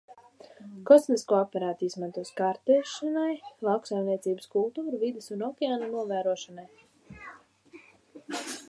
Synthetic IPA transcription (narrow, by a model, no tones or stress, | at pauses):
kɔsmiskuɔapɛɾaːt̪izmant̪uɔskaɾt̪ɛːʃanajlˠɑwksajmniɛsiːbɨskulˠt̪uːɾuvid̪ɪsunɔkʲɛaːnunuɔvæːɾuɔʃanaj